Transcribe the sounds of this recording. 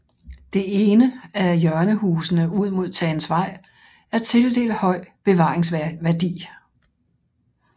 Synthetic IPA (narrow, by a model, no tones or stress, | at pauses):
d̥e̝e̝ːnəæjɶɐnəɦuːsənəuð̞̰ˠmo̝ð̞̰ˠt͡sʰɛːn̩sʋɑ̈ɪ̰ | æɐt͡sʰe̝ld̥e̝̰ːlhɒ̽ɪ̰b̥e̝ʋɑ̈ːʁeŋsʋæɐd̥ḭː